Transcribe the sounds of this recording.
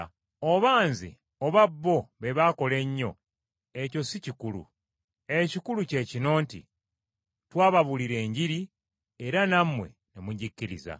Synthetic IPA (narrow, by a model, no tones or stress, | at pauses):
o̞βaːnzḛ | o̞βabːo̞βe̞βako̞le̞ɲːo̞̰ | eco̞sicikulṵ | e̞cikuluce̞ːcino̞ːntḭ | twaːβaβuliɾe̞ːɲɟiɾi | eɾanamːwe̞̰ | nemuɟicːiɾḭza̰